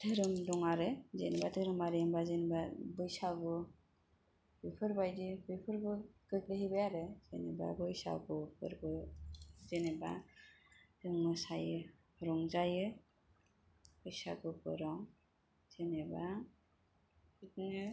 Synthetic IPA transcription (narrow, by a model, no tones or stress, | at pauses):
tʰɯɾɯmdɔŋaɾɯzenebatʰɯɾɯmaɾɯmbazenbabɯjsaɡɯ | bipʰɯɾbajdibipʰɯɾbɯɡɯk̚lɯɦibɯjaɾɯzeneba̰bɯjsa̰ɡɯpʰɯ̰ɾbɯ | zeneba̰ | tɯŋmɯsajɯ | ɔɾɔŋzajɯ | b̥ɯjsa̰ɡɯpʰɯ̰ɾɔŋ | z̥eneba | kit̚nɯ